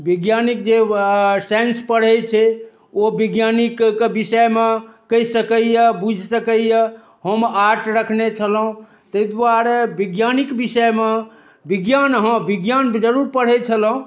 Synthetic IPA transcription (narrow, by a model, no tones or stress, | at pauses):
biɡjanikd͡ʒesenspəɽ̤ɛt͡ʃʰɛ | obiɡjanikkbisəmekəjsəkəjəbud͡ʒʱsəkəjə | ɦəmaʈɾəkʰnet͡ʃʰəlɦũ | t̪əd̪waɾebiɡjanikbisəjme | biɡjanɦə̃biɡjand͡ʒəɾuɾpəɽ̤ɛt͡ʃʰəlɦũ